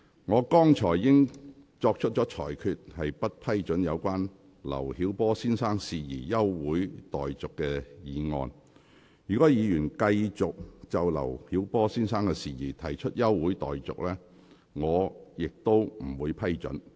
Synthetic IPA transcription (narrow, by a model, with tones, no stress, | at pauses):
ŋɔː˨˧kɔː˥ŋt͡ʃʰɔː˨˩jːɪ˥ŋ | t͡sɔː˧k̚t͡ʃʰɵ˥t̚t͡ʃɔː˨˥t͡ʃʰɔː˨˩jkʰyː˧t̚hɐ˨jpɐ˥t̚pʰɐ˥jt͡ʃɵ˨˥njɐ˨˧wkʷaː˥n | lɐ̰˨˩whiː˨˥wpɔː˥siː˥nsaː˥ŋsiː˨jiː˨˩jɐ˥wwuː˨˥jt̪ɔː˨˩jt͡sʊ˨kːɛː˧jiː˨˧ŋɔ̰ː˧n | jyː˨kɔː˨˥jiː˨˧jyː˨˩nkɐ˧jt͡sʊ˨k̚t͡sɐ˨wlɐ̰˨˩whiː˨˥wpɔː˥siː˥nsaː˥ŋkɛː˧siː˨jiː˨˩t̪ʰɐ˨˩jt͡ʃʰɵ˥t̚jɐ˥wwuː˨˥jt̪ɔ̰ː˨jt͡sʊ̰˨k̚lɛː˥ | ŋɔː˨˧jɪ˨k̚t̪o˥wm̩˨˩wuː˨˧jpʰɐ˥jt͡sɵ̰˨˥n